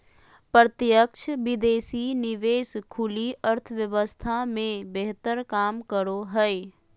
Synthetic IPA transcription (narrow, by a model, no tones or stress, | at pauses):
pɾət̪jəkt͡ʃʰʋɪd̪eːsinɪʋeːskʰʊliəɾt̪ʰəʋjəʋəst̪ʰamẽbeɦt̪əɾkaːmkəɾoɦɛe